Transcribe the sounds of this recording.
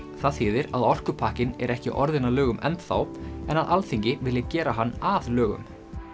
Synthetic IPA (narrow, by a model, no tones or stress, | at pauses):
θaðθɪːðɪɾaðɔr̥kʏpʰaːhcɪnɛ̰ɾɛhcɪ̰ʔɔɾðɪnalœːɣʏmʔɛ̰nt̪θa̰wɛnaðʔalθiɲcɪvɪljɪcɛːɾaɦanːaðlœːɣʏ̰m